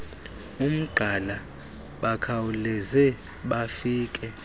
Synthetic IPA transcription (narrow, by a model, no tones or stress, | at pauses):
um̩ɡ͡ǃʱala | ɓakʰawulɛzɛ | ɓafiːkʼɛ